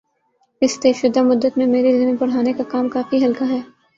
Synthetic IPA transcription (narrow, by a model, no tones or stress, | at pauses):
ɪst̪eːʃʊd̪ːamʊd̪ːət̪mẽmeːɾizɪmɪnpɐɽɦaːnekakaːmkaːfiɦɐlkaɦɛː